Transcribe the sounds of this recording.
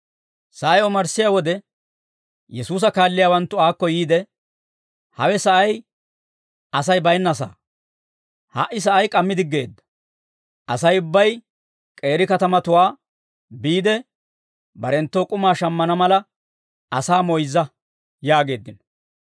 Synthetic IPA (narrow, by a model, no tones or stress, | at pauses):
sɐʔɐjɔmɐɾsːɪjaːwɔd̪ɛ | jɛsuːs̬ɐkaːlːɪjaːwɐnt̪ːʊaːkːɔjiːd̪ɛ | hɐwɛsɐʔɐj | ɐsɐjbɐjnːɐs̬a̰ː | ha̰ʔːɪs̬ɐʔɐjkʼɐmːɪd̪ɪɡːe̞ːd̪ːɐ̥ | ʔɐsɐjʊbːɐj | kʼe̞ːɾɪkɐt̪ɐmɐt̪ʊwaː | biːd̪ɛ | bɐɾɛnt̪ːoːkʼʊmaːʃɐmːɐnɐmɐlɐ | ɐsaːmɔjzːɐ | jaːɡe̞ːd̪ːɪn